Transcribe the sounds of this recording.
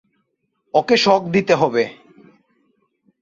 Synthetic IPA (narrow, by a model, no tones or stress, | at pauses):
ɔkeʃɔk̚d̪it̪eɦɔbe